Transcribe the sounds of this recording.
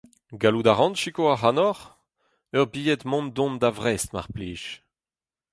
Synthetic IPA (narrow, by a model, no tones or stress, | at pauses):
ɡalud̪aʁɑ̃nʃikoaɦanɔʁ | œʁbijɛt̪mɔ̃nd̪ɔ̃nd̪avʁɛst̪ma̰ʁpliːʃ